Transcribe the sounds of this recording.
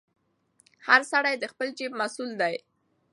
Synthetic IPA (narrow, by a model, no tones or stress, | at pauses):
haɾsaɽajd̪əxpəld͡ʒeb̚masuld̪aj